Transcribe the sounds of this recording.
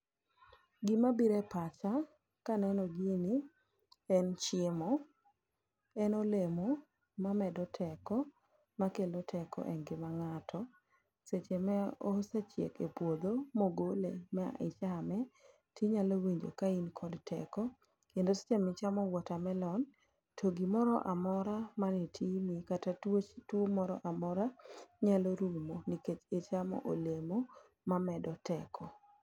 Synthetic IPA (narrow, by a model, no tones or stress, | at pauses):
ɡɪmabiɾɛpat͡ʃa | kanɛnɔɡini | ɛnt͡ʃɪmɔ | ɛnolemo | mamɛdɔtʰɛkɔ | makelotʰɛkɔ̰ʔɛnɡɪmaŋatʰɔ | set͡ʃemɛosat͡ʃjḛkḛpwod̪omoɡolḛmɛa̰ʔɪ̰t͡ʃamɛ | tiɲalowiɲd͡ʒo̰kainkʰɔdtʰɛ̰kɔ | kendose̥t͡ʃemɛt͡ʃamɔwɔtamɛlɔn | tʰoɡimɔɾɔ̰ʔamɔɾamanetʰinikatatwomɔɾɔ̰ʔamɔɾaɲaloɾumoniket͡ʃet͡ʃamɔ̰ʔolemo | mamɛdɔtɛkʰɔ